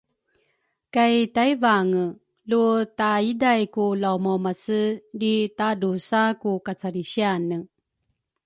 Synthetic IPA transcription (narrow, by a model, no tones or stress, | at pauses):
kajtajvaŋə | lutaidajkulawmɔmasəɾitadusakukat͡saɾiɕianə